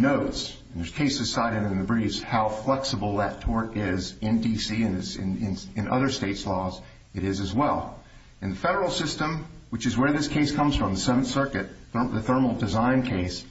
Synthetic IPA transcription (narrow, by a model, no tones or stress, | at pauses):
noʊts | n̩ðə˞z̥kʰeɪsɨsaɪɾɨɾɨ̃nðɨbɹifz̥haʊflɛksəbl̩ˠðɨtʰɔɹɾɪzɨ̃ndisiɨ̃nɪsnɪ̃nɨ̃nʌ̰ðə˞steɪtslɔz | ɨɾɪzɨzwɛlˠ | ɨ̃nðɨfɛɾə˞l̩ˠsɪstə̃mwɨt͡ʃɨzwə˞ðɪskʰeɪskʰʌ̃mz̥fɹʌ̃mðəsɛṽn̩sɜ˞kɨt̪̚ə˞ðɨθɜ˞ml̩ˠdɨzãɪ̃nkʰeɪs